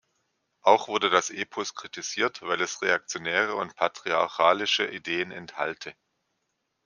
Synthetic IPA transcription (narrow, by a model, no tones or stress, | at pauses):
ʔaʊxv̥ʊɐdədasʔeːpʰɔskʁ̥itiziːɐtv̥aɪlɛsʁeak̚t͡sjonɛːʁ̞əʊ̰ntpʰatʁ̥iaɐçaːlɪʃə̰ʔideːənɛntha̰ltʰə